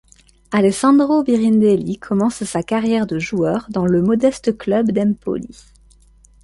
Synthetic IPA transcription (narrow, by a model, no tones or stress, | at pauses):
alɛsɑ̃d̪ʁobiʁind̪elikʰɔmɑ̃ssakaʁjɛʁd̪əʒuœʁd̪ɑ̃ləmɔd̪ɛst̪əklœbd̪ɛmpo̰li